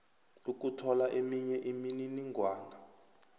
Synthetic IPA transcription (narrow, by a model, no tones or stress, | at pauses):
uk̬utʰɔlaʔemiɲɛʔimininiŋɡʱwaːŋɡʱa